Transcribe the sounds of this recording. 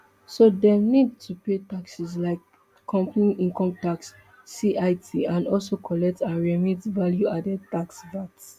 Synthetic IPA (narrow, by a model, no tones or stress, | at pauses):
sodɛmnid̚tʰupetaksislaɪkːʰ | ɔ̃mpniʔĩŋkɔ̃mtaksː | iʔaɪtʰiãnɔ̰lsokʰɔlɛk̚tãnɹɛmitvaljuadɛtaksvats